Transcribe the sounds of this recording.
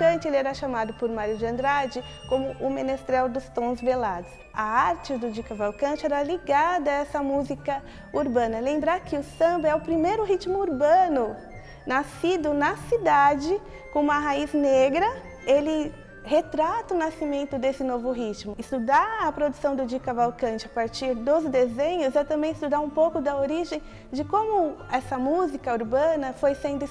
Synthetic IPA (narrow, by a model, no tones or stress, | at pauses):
kɐ̃t͡ʃɪelɪɛɾaʃamad̪ʊpoɾmaɾjʊd͡ʒɪɐ̃nd̪ɾad͡ʒɪ | kõmʊʔʊmẽnest̪ɾɛwd̪ʊst̪õzbelad̪ʊs | ɐaɾt͡ʃɪd̪ʊd͡ʒikɐvawkɐ̃t͡ʃɪɛɾaliɡad̪ɐɛsɐmuzikɐ | uɾbɐ̃nɐlẽmbɾaɾkɪʊsɐ̃mbɐɛʊpɾimejɾʊɦit͡ʃmʊuɾbɐ̃nʊ | nasid̪ʊnɐsid̪ad͡ʒɪ | kõũmɐɦaizneɡɾɐ | elɪ | het̪ɾat̪ɐʊnasimẽnt̪ʊd̪esɪnovʊɦit͡ʃmʊɪst̪ud̪aɐpɾod̪usɐ̃w̃d̪ʊd͡ʒikɐvawkɐ̃nt͡ʃɪapaɾt͡ʃiɾd̪ozd̪ezẽɲʊzɛt̪ɐ̃mbẽj̃ɪst̪ud̪aɾũpowkʊd̪ɐoɾiʒẽj̃ | d͡ʒɪkõmʊɛsɐmuzikɐuɾbɐ̃nɐfojsẽnd̪ʊ